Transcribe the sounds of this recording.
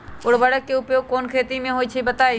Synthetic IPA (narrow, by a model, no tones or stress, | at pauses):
ʊɽbəɽəkːeʊpjoɡ̚koːnkʰeːt̪imẽɦoːit͡ʃʰəibɐt̪aːe